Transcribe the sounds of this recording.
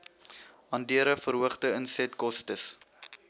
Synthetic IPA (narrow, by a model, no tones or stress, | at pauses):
ɐndiəɾəfəɾɦuəχtəənsɛtkɔstəs